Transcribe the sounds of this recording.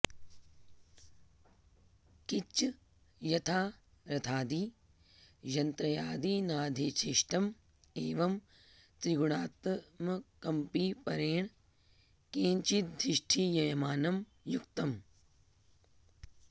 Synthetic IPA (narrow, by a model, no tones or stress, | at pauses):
kit͡ʃː | jɐt̪ʰaː | ɾɐt̪ʰaːd̪iː | d͡ʒɐnt̪ɾɐjaːd̪iːnaːd̪ʱiːt͡ʃʰiʃʈɐm | eːʋɐm | t̪ɾiɡuɳ̃aːt̪ɐmɐkɐmpipɐɾeːɳ̃ | kẽːɲt͡ʃit̪̚d̪ɾɪʃʈʰijɐjɐmaːnɐm | jukt̪ɐm